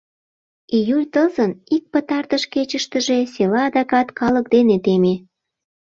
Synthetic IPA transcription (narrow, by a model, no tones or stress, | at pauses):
ijulʲt̪əzənik̚pət̪ɑrt̪əʃket͡ɕəʃt̪əʒeselɑːd̪ɑkɑt̪kɑlək̚d̪enet̪eme